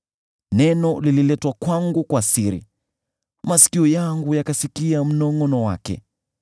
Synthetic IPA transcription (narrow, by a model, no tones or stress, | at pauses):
nɛnɔlililɛtwakwaŋɡukwasiɾḭ | masi̥kiɔjaŋɡujakasikiam̩nɔŋɔnɔwa̰kɛ̰